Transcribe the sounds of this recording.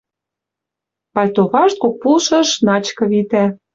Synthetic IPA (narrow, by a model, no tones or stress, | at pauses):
pɑlʲt̪oβɑʃt̪̚kok̚pulʃɤ̆ʃnɑt͡ɕkɤ̆βit̪æ